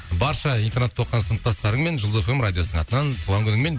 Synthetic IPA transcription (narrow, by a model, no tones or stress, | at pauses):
bɑɾʃɑint̪eɾnet̪ʰːo̞qːɑnsənət̪ːɑst̪ɑɾəɴme̞nʒəlˠzefemɾad̪ʲijosnəɴɑt̪ənɑnt̪ʰuʁɑŋkʰʲʏnɪŋme̞n